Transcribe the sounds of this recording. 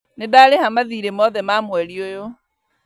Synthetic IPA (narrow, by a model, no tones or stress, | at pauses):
nedalehamaðiɾemɔðɛmamwɛɾiojo